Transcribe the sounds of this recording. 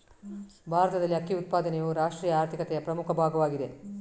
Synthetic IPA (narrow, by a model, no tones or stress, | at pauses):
bʱaːɾɐt̪ɐd̪ɐlːiɐkːiut̪̚paːd̪ɐnejuːɾaːʂʈɾiːjɐaːɾt̪ʰikɐt̪ɛjɐpɾɐmukʰɐbʱaːɡɐʋaːɡid̪e